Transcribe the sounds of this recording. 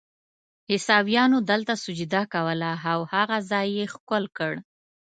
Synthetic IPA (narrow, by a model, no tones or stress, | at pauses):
hɪsɑbjɑnod̪əlt̪asʊd͡ʒud̪akawəlaawhaɣazɑjːexkʊlkəɽ